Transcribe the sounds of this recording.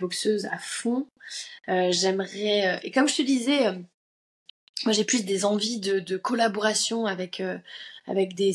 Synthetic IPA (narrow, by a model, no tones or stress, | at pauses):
bɔksøza̰fɔ̃ | øʒɛmʁɛøʔekɔmʒət̪əd̪izɛø | mwaʒeplysd̪ezɑ̃vid̪əd̪əkɔlabɔʁasjɔ̃avɛkʰøa̰vɛkd̪e